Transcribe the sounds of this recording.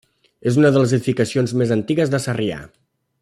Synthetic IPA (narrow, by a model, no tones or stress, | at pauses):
ezunəðələzəðifikəsionzmezənt̪iɣəzðəsəria̰